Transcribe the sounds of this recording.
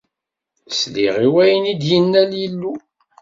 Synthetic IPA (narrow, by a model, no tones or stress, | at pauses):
slḭʁiwæjənid̪jənːæljəlːu